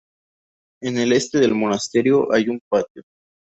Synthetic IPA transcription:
ene̞le̞st̪e̞ðelmonast̪e̞ɾjo̞ʔajumpat̪jo

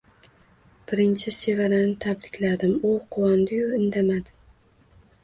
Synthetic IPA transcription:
b̥ɪɾɪnt͡ʃʰɪsevaɾanɪt̪ʰablɪkʲlad̪ɪmʊqʰʊwɒnd̪ɪjʊɪnd̪amad̪ɪ

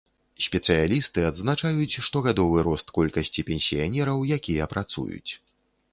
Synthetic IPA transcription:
sʲpʲɛt̪sɨjalʲist̪ɨad̪znat͡ʂajut͡sʲʂt̪ɔɣad̪ɔvɨɾɔst̪kɔlʲkɐsʲt͡sʲipʲɛnʲsʲijanʲɛɾɐwjakʲijɐpɾat̪sṵjṵt͡sʲ

